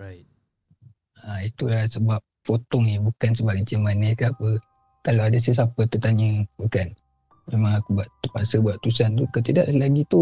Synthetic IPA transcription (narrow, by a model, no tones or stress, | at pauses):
ait̚ | ait̪ulasəbap̚fot̪ɔŋnibukansəbap̚ət͡ʃəmanəkaapə | kalawadas̬əs̬apət̪ət̪aɲəbukan | mẽmãŋəbuaʔt̪əpaʔsəbuaʔt̪usant̪ukət̪idaʔlaɡit̪u